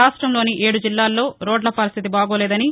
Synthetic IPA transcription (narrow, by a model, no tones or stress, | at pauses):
aːsʂʈɾɐmloːniʔe̞ːɽud͡ʒilːaːlːo̞ːɾo̞ːɖlɐpɐɾist̪ʰit̪̬ibaːɡoːlɛːd̪ɐni